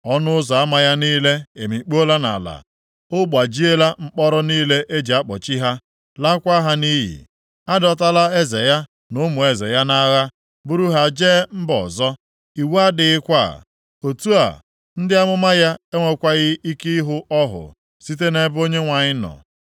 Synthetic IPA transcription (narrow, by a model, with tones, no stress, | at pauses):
ɔ˦nʊ˦zɔ˨a˦ma˦ja˦niː˦le˦e˨mi˨˦k͡po˦la˦na̰˨la̰˨ | ʊ˦ɡ͡ba˨d͡ʒi˦e˦la˦ŋ͡m̩˦k͡pɔ˦ɾɔ˦niː˦le˦ʔe˦d͡ʒi˨a˦k͡pɔ˨t͡ʃi˦ɦa˦ | la˦kʷa˦ɦa˦ni˦ɦḭ˨ | a˦dɔ˨t̬a˦la˦e˦ze˨ja˦ | nʊ˦mʊ˨e˨ze˨ja˦na˦ɣa˦ | bʊ˦ɾu˦ɦa˦d͡ʒeː˦m̩˦bɔ̰˨zɔ˦ | i˨wa˦dɪ˨ɪ˦kʷa˦˨ | o˨tu˦a̰˨ | n̩˦dɪ˦a˦mʊ˦ma˦ja˦e˦ŋʷe˨kʷa˦ɣɪ˦ʔi˦ki˦ɦʊ˦ɔ˦ɦʊ̰˨ | si˦t̬e˦ne˦bo˦ɲe˦ŋʷa˨ɲɪ˦nɔ̰˨